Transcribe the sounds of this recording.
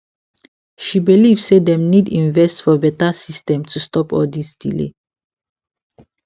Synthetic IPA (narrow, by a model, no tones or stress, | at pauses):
ʃibilivssedɛ̃mnidĩnvɛstfɔbɛtasistɛ̃mtʰustɔpɔ̰ldisdḭlḛ